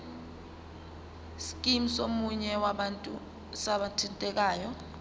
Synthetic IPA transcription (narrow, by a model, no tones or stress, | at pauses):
skʼim̩somuɲɛwaɓantʼu | saɓatʰintʼɛk̬aːjɔ